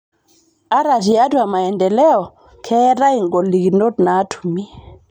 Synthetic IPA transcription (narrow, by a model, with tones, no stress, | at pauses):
a˦ɾa˨zi˨a˦tu˦a˨ma˨ɛ˨ndɛ˨lɛ˦ɔ˨ | kʰɛ˦ɾa˦i˨ŋɡɔ˨li˨ɡi˨no˦tna˨˦tʰu̥˨mi˦